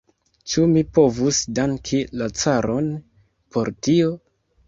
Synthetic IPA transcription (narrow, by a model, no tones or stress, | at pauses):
t͡ʃumipo̞vusdaŋkʰilat͡saɾo̞n | po̞ɾtio̞